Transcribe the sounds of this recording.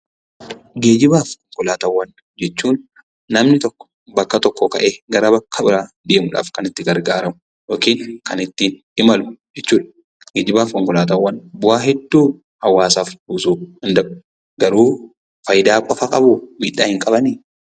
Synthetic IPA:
ɡe̞ːd͡ʒɪbaːfkɔŋkʊlaːt̪ɐwːɐn | d͡ʒɛt͡ʃːuːnː | ɐmnɪt̪ɔkːɔ̥ | bɐkːɐt̪ɔkːɔkɐʔeːɡɐɾɐbɐkʰːɐbɪɾaː | d̪e̞ːmʊᶑa̰ːfkɐnɪt̪ːɪɡɐɾɡaːɾɐmʊ | joːkiːŋkʰɐnɪt̪ːiːn | ɪmɐlʊ̥d͡ʒɛt͡ʃːuːᶑɐ | ɡ̥eːd͡ʒɪbaːfkɔŋkʊlaːt̪ɐwːɐnbʊʔaːɦɛd̪ːuː | hɐwːaːsaːfbuːsuːhɪnd̪ɐʔʊ̥ | ɡɐɾuː | fɐjd̪aːkʼɔfɐkʼɐbumiːᶑaːhɪŋkʼɐbɐniː

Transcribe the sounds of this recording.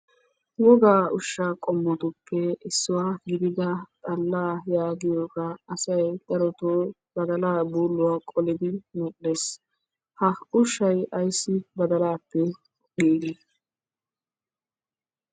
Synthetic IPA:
wɔɡaːʊʃːakʼɔmːɔt̪ʊpʰːɛɪsːʊwaːɡɪd̪ɪd̪ɐt̪ʼɐlːaːjaːɡɪjoːkɐɐsɐjd̪̥ɐɾɔt̪oː | b̥ɐd̪ɐlaːbuːlːʊwaːkʼɔlɪd̪ɪmɛɗːes | hɐʊʃːɐjɐjsːɪbɐd̪ɐlaːpːɛ | iːɡɪ

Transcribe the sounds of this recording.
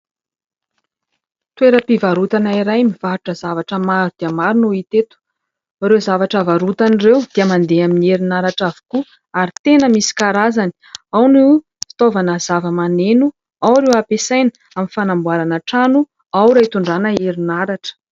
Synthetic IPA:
t̪weɾəpivaɾut̪anaiɾajmivaɾuʈ͡ʂəzavaʈ͡ʂəmaɾud̪̥iəmaɾinuit̪et̪u̥ | ɾezavaʈ͡ʂavaɾut̪anirewd̪̥iəmand̪eaminieɾinaɾaʈ͡ʂavu̥ku | aɾit̪enəmisi̥kaɾazani̥ | awnu | fi̥t̪ovanəzavəmanenu | awɾewapesajnə | aminfanambuaɾanaʈ͡ʂanu | awɾajt̪uɳɖ͡ʐanəeɾinaɾaʈ͡ʂə̥

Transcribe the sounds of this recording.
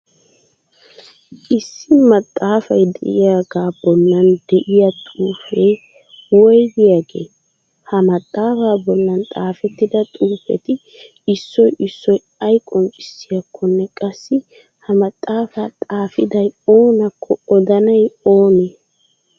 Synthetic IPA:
ʔɪsːɪmɐt̪ʼːaːfɐjd̪ɛ̰ʔɪjaːɡaːbɔlːɐnd̪ɛʔɪjɐt̪ʼuːfɛj | wɔjd̪ɪjaːɡḛː | hɐmɐt̪ʼːaːfaːbɔlːɐnt̪ʼaːfɛt̪ːɪd̪ɐt̪ʼuːfɛ̰t̪ɪ | ɪsːɔjɪsːɔj | ɐjkʼɔnt͡ʃʼɪ̥sːɪjɐkʰːɔnːɛkʼɐsːɪ | hɐmɐt̪ʼːaːfaːt̪ʼaːfɪd̪ɐjoːnɐkʰːɔɔd̪ɐnɐjoːneː

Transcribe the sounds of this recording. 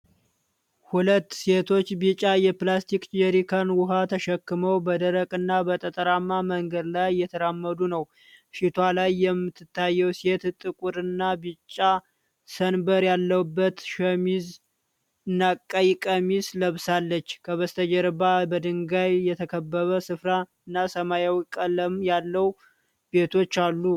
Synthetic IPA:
hulət̪ːse̞t̪ʰo̞t͡ʃːbit͡ʃʼːajɛplast̪ʰikd͡ʒɛɾikʰanwʊɦat̪ʰəʃɛkːɨməwbəd̪əɾəkʼɨnːabət̪ʼət̪ʼəɾamːaməŋɡəd̪lajːɛt̪ʰəɾamːəd̪unəw | ʃit̪ʰwalajːɛmːɨt̪ʰːɨt̪ːajːɛwse̞t̪t̪ʼɨkʼuɾɨnːabɨt͡ʃʼːa | sənbəɾjalːəwbːət̪ʃəmiz | ɨnːakʼːəjkʼəmisləβsalːət͡ʃːkʰəβəst̪ʰəd͡ʒɛɾbabəd̪ɨŋɡajːɛt̪ʰəkʰəbːəβəsɨfɾaɨnːasəmajawkʼələmjalːəw | be̞t̪ʰo̞t͡ʃːalːu

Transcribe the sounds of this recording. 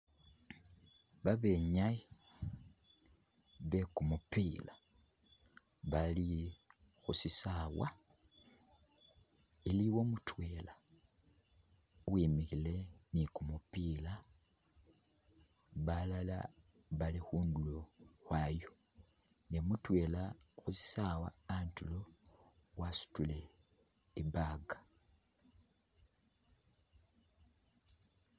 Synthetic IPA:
βaβe̞ɲaji | βekumupila | βali | xusisawa̰ | iliwo̞mutwela | wimixile̞ | nikumupiːla | βalala̰ | βalixuːnduloxwajo | nemutwe̞ːla | xuzisawa̰ːntulo | wasu̥tule | ibaɡḁ

